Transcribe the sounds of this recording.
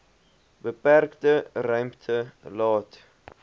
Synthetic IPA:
bəpærktərœɥmptʰəlɑːt

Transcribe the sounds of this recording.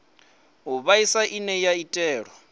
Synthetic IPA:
ɦuβaisaʔinɛjaitʼɛːɺɔ

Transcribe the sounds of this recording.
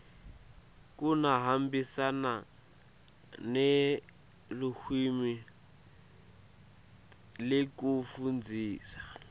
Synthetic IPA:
kunaɦambisana | ne | luxʰwimi | lɪkufund͡zʱiːsḁ

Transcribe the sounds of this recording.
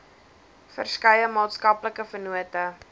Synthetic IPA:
fə̰rskɐjəmɑːtskɐpləkəfənuətə

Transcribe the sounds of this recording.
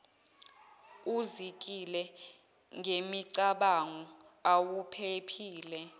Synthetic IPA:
uzik̬ʼilɛ | ŋʱemiǀaɓaŋɔawupʰepʰiːlɛ

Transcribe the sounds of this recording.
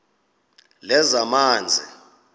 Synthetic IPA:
lɛzamaːnd͡zʱḭ

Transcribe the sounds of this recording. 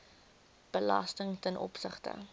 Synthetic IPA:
b̥əlɐstəŋtənʔɔ̰psəχtə̰

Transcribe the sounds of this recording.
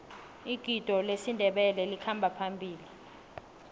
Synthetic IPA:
iɡ̥ʱid̥ʱɔlesindʱɛɓɛlɛlikʰambʱapʰambʱiːli

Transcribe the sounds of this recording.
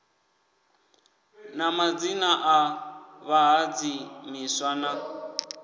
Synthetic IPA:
namad͡zinaʔaβaɦad͡zimiswana

